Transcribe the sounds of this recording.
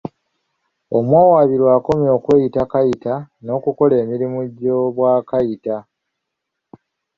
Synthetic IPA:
o̞mwaːwaβiɾwaːko̞mjo̞ːkwe̞ːjitakajitano̞ːkuko̞le̞ːmiɾimuɟːoβwaːkajita

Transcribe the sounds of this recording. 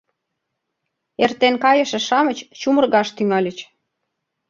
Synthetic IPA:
ert̪enkɑjə̆ʃĕʃɑmə̆t͡ɕt͡ɕumə̆rɣɑʃt̪yŋɑlʲət͡ɕ

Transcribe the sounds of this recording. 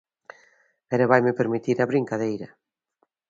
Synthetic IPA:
ɛɾaβajmɪpeɾmit̪iɾɐβɾiŋkaðejɾɐ

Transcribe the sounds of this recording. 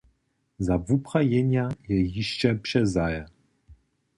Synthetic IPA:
zavupχajɛɲajɛjiʃt͡ʃɛpʂɛzajɛ

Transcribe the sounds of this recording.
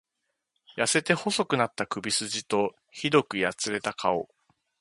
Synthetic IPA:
jase̞t̪e̞ho̞so̞kɯ̟nat̪ːakɯ̟bʲisɨʑit̪o̞ | çid̪o̞kɯ̟jat͡sɨɾe̞t̪akʰao̞̰

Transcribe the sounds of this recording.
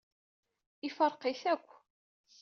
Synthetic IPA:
ifəɾˤqiθækʷː

